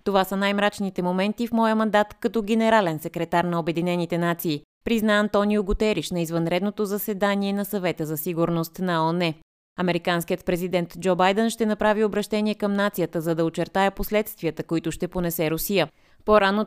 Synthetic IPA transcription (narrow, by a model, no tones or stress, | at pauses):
t̪ovasənajmɾat͡ʃnit̪ɛmomɛnt̪ifmɔjəmɐnd̪at̪kɐt̪ɔɡɛnɛɾalɛnsɛkɾɛt̪aɾnɐobɛd̪inɛnit̪ɛnat̪siː | pɾiznaɐnt̪ɔnijʊɡʊt̪ɛɾiʃnɐizvɐnɾɛd̪not̪ozɐsɛd̪aniɛnɐsɐvɛt̪əzɐsiɡuɾnost̪nɐɔnɛ | ɐmɛɾikanskʲijət̪̚pɾɛzid̪ɛnt̪d͡ʒɔbajd̪ɛnʃt̪ɛnɐpɾaviobɾɐʃt̪ɛniɛkəmnat̪sijət̪əzɐd̪ɐot͡ʃɛɾt̪ajəposlɛt̪st̪viət̪əkoit̪ʊʃt̪ɛponɛsɛɾosijə | poɾano